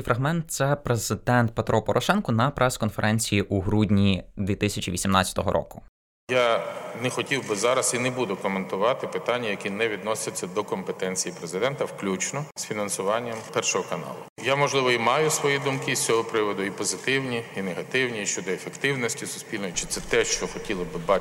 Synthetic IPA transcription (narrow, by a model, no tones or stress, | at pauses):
fɾʔɐɦmɛnt̪̚sɛpɾezɪd̪ɛnt̪̚pet̪ɾʔɔpɔɾʔɔʃɛnkɔnɐpɾɛskɔnfeɾʔɛnʲt͡sʲijiʔuɦɾudʲnʲid̪ʲʋʲit̪ɪsʲɐt͡ʃʲiʋʲisʲimnɑt͡sʲɐt̪ɔɦɔɾʔɔ̰kʊ̥ | janɛxɔtʲiwbɪzɑɾɐsinebud̪ʊkɔment̪ʊʋɑt̪ɪpɪt̪anʲːɐjɐkʲinɛʋʲid̪nɔsʲɐt͡sʲːɐd̪ɔkɔmpet̪ɛnʲt͡sʲijipɾezɪd̪ɛnt̪ɐwklʲut͡ʃnɔsfʲinɐnsʊʋɑnʲːɐmpɛrʃɔɦɔkɐnɑ̰lˠʊ | jamɔʒlˠɪʋɔimɑjʊsʋɔjid̪umkɪsʲt͡sʲɔɦɔpɾɪʋɔd̪ʊipɔzɪt̪ɪwnʲiineɦɐt̪ɪwnʲit͡ʃt͡ʃɔd̪ɔefekt̪ɪwnɔsʲtʲisʊ̥sʲpʲilʲnɔjit͡ʃɪ̥t̪sɛt̪ɛʃt͡ʃɔxɔtʲilˠɪbɪbɑ